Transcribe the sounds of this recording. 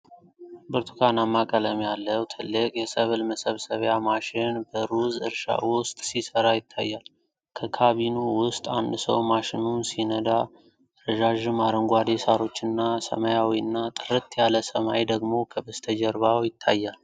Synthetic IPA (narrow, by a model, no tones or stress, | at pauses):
bɨɾt̪ʰukʰanamːakʼələmjalːəwt̪ʰɨlːɨkʼjɛsəβlməsəβsəβjamaʃɪnbəɾuzɨ̰ɾʃa̰wʊst̪ʼsisəɾajɪt̪ʰːa̰jːal | kʰəkʰaβinuwʊst̪ʼand̪sə̰wmaʃɪnunsinəd̪a | ɾəʒaʒɨmaɾəŋɡʷad̪esaɾo̞t͡ʃːɨnːasə̰majawiɨnːat̪ʼɨɾɨt̪jaləsəmajd̪əɡmo̞kʰəbəst̪ʰəd͡ʒɛɾβawjɪt̪ʰːajːal